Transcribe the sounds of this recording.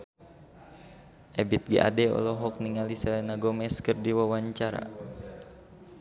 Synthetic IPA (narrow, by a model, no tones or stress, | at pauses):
ʔɛbit̪̚ɡiʔa̰dɛɔ̰lɔɦɔk̚niŋalisɛlɛnaɡɔmɛskərdiwawaɲt͡ʃaɾa̰